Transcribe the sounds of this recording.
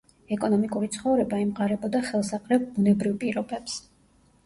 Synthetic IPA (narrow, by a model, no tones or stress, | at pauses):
ɛkʼɔnɔmikʼuɾit̪sʰχɔvɾɛbaimqʼaɾɛbɔd̪aχɛlˠsaqʼɾɛp̚bunɛbɾivpʼiɾɔbɛps